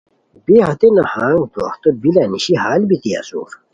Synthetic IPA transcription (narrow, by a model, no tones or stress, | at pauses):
beɦɐt̪enahãːŋɡd̪o̰ːxt̪obilaniɕiɦaːlbit̪ia̰sṵːɾ